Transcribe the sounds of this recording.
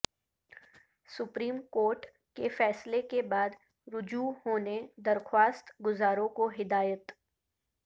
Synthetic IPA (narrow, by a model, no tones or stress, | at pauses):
sʊpɾiːmkoːɾʈ | kefɛːslekebaːd̪ | ɾʊd͡ʒuhoːned̪ɐɾxwaːst̪ɡʊzaːɾõkoɦɪd̪aːjət̪